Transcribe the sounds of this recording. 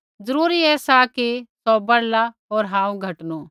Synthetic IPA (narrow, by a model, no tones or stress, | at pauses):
d͡zɐɾuːɾiɛːsakisɔbɐɽla | oːɾɦãːũɡʱɐʈnoː